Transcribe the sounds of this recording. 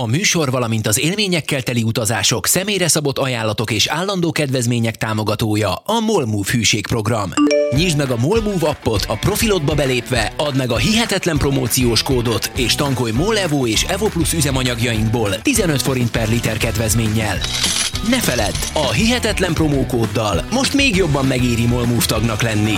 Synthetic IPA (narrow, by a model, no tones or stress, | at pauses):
ɒmyːʃo̞rvɒlɒmint̪ɒzeːlmeːɲɛkːɛlt̪ɛliut̪ɒzaːʃo̞ksɛmeːjrɛsɒbo̞t̪ːɒjaːlːɒt̪o̞keːʃaːlːɒnd̪oːkɛd̪ʋɛzmeːɲɛk̚t̪aːmo̞ɡɒt̪oːjɒɒmo̞lmuːfhyːʃeːkpro̞ɡrɒmɲiʒd̪mɛɡɒmolmuːvɒpːo̞t̪ʰɒpro̞filo̞d̪̚bɒbɛleːpʋɛɒd̪mɛɡɒɦiɦɛt̪ɛt̪lɛmpro̞moːt̪sijoːʃkoːd̪o̞t̪ʰeːʃt̪ɒŋko̞jmolɛvoːeːʃɛvoplusyzɛmɒɲɒɡjɒjiŋɡ̚boːlt̪izɛnø̞t̪fo̞ɾint̪̚pɛrlit̪ɛrkɛd̪ʋɛzmeːɲːɛlnɛfɛlɛd̪ːɒɦiɦɛt̪ɛt̪lɛmpro̞moːkoːd̪ːɒlmo̞ʃt̪meːɡjo̞bːɒmːɛɡiːɾimo̞lmuːft̪ɒɡnɒklɛnːi